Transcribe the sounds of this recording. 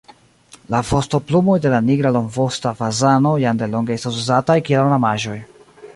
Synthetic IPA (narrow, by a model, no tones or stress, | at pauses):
lafosto̞plumo̞jde̞laniɡɾalo̞ŋvo̞stafazano̞jandelo̞ŋɡeestasuzatajkielnamaʒo̞j